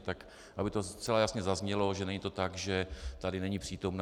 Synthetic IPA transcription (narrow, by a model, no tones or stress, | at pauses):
t̪ak | ʔabɪt̪o̞st͡sɛlajasɲɛzazɲɛlo̞ʒɛnɛɲit̪o̞t̪aɡʒɛt̪adɪnɛɲipr̥iːt̪o̞mn